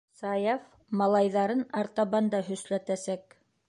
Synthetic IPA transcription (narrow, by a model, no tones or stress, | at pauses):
sɑjɑf | mɑlˠɑjðɑɾɤnɑɾt̪ɑβɑnd̪ɑɦɵ̆slæt̪æsæk